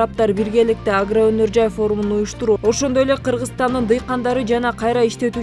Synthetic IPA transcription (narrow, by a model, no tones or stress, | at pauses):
ɑp̚t̪ɑɾbiɾɡe̞lik̚t̪eaɡraønø̞ɾd͡ʒɑjfo̞ɾumunujuʃt̪uɾuːo̞ʃo̞nd̪o̞je̞leqɯɾʁɯzst̪ɑnd̪ɯnd̪ɯjqɑnd̪ɑɾɯd͡ʒɑnɑqʰɑjɾɑiʃt̪e̞t̪yː